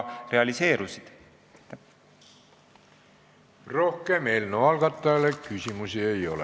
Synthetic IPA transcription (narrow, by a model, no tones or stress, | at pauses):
re̞ɑlise̞ːɾusid̪̥ | ro̞hke̞me̞ːlnuɑlɡ̥ɑt̪ˑːɑjɑlekysimusie̞jo̞̰lḛ